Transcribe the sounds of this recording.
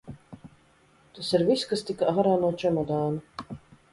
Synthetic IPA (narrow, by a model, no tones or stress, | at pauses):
t̪asiɾviskast̪ikaʔaɦaɾaːnuɔt͡ʃɛmɔd̪aːnu